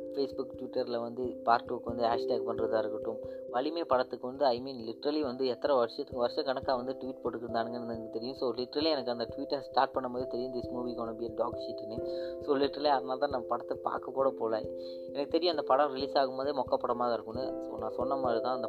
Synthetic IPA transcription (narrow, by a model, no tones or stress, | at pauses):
feːsbʊkʈʋɪʈːɐɾlɐʋɐnd̪ɯpaːɾʈːuːkːɯʋɐnd̪ɯaːʂʈaːk̚pɐnɾɐðaːɪɾɯkːɪʈːɯ̃mʋɐɭɪmeːpɐɽɐt̪ːɯkːɯʋɐnd̪ɯɐɪmiːnlɪʈːɾɐliʋɐnd̪ɯɛt̪ːɐɾɐʋɐɾʂjɐt̪ːɯkːʋɐɾʂɐ̃kɐɳɐkːaːʋɐnd̪ɯʈʋiːʈpoːʈːɯkːɪɾɯnd̪aːnɯŋɡɐnnɐkɯt̪ɛɾɪjʊ̃soːlɪʈːɾɐliɛnɐkːɯɐnd̪ɐʈʋiːʈːɐsʈaːɾʈ̚pɐɳːɐmpoːðɾit̪ɛɾɪjʊ̃d̪ɪsmuːʋikoːɳɐbijɐlɖaːkʃiʈːɪnːesoːlɪʈːɐɾɐleɐðɐnaːlt̪ãːnɐ̃mːɐpɐɽɐt̪ːɯpa̰ːɾkɐpoːɽɐpoːlḛ | ɛnɐkːɯt̪ɛɾɪjʊ̃ɐnd̪ɐpɐɽɐ̃ɾɪliːsaːɣɯmboːðɾimɔkːɐpːɐɽɐmaːðɐɪɾɯkːɯ̃nːɯsonãːsɔnːɐmaːðɾit̪ãːɐnd̪ɐ